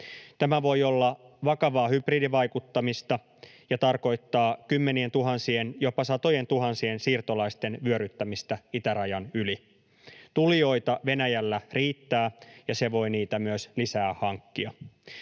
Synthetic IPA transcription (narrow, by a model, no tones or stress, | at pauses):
t̪æmæʋo̞jolːɑ | ʋɑkɑʋɑːhybriːdiʋɑjkut̪ːɑmist̪ɑ | jɑt̪ɑrko̞it̪ːɑːkymːenient̪uɦɑnsienjopɑsɑt̪o̞jent̪uɦɑnsiensiːrt̪olɑist̪e̞nʋyøɾyt̪ːæmist̪æit̪æɾɑjɑnyli | t̪ulijo̞it̪ɑʋe̞næjælːæriːt̪ːæːjɑseʋo̞jniːt̪æmyøslisæːhɑŋkːiɑ